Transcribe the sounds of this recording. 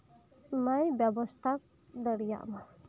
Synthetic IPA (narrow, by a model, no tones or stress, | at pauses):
majbjɔbɔst̪ʰak̚ | d̪ɔɽija̰ʔma